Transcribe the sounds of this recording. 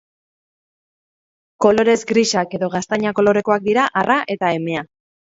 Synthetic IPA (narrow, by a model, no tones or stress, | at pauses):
ko̞lo̞ɾe̞zɡɾiʃake̞ðo̞ɣ̞ast̪aɲako̞lo̞ɾe̞ko̞ak̚d̪iɾaʔarʔaʔe̞t̪ae̞me̞a